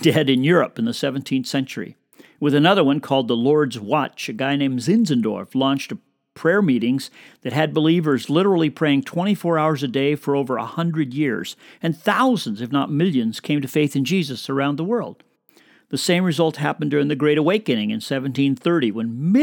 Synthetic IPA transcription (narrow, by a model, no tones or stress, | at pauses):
d̥ɛɾɨ̃njʊɹɨ̰pn̩ðɨsɛvntʰĩnθsɛ̃nt͡ʃə˞ḭ | wɨðɨnʌðə˞wʌ̃nkʰɔlˠd̪̚ðəlɔɹdzwɑt͡ʃɨɡaɪnẽɪ̃mzɪ̃nzɨ̃ndɔ̰ɹflɔ̃nt͡ʃtə | pʰɹ̥ɛɹmiɾɪ̃ŋz̥ðɨt̚ɨd̚bəlivə˞zlɪɾə˞l̩ˠipʰɹ̥eɪɪ̃ŋtʰw̥ɛ̃ɾ̃ifɔɹaʊə˞zɨdeɪfə˞oʊvə˞ə̰hʌ̃ndɹɨdjɪɹz̥ɨ̃nθaʊz̃n̩zɨfnət̚mɪlˠjɨ̃nz̥kʰẽɪ̃mtɨfeɪθɨ̃nd͡ʒizɨsə˞ãʊ̃nðəwɜ˞lˠd̥̚ | ðɨsẽɪ̃mɹɨzʌlˠt̚ɦæpn̩dʊɹɪ̃ŋðɨɡɹeɪɾəweɪkɨnɪ̃ŋɨ̰̃nsɛṽn̩tʰĩnθɜ˞ɾiwɨ̃nm